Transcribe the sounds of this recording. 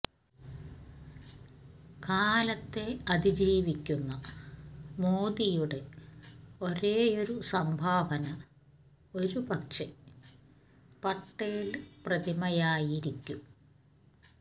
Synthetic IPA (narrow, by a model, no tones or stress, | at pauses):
kaːlɐt̪ːe̞ɐd̪id͡ʑiːʋikʲːunːɐ | moːd̪ijuɽe̞ | o̞ɾe̞ːo̞ɾusɐmbʱaːʋɐnɐ | o̞ɾupɐkʂe | pɐʈːeːilprɐd̪imɐjaːjiɾikʲːum